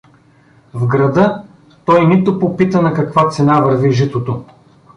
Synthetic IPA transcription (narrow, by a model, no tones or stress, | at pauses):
vɡɾɐd̪ɤ | t̪ɔjnit̪opopit̪ənɐkɐkvat̪sɛnavɐɾviʒit̪ot̪o